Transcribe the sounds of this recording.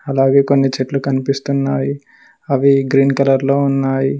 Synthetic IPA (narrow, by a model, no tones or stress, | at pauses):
ɐlaːɡe̞ːko̞nːit͡ʃeʈlukɐnipist̪unːaːji | ɐʋiɡɾiːnkɐlɐɾloːunːaːji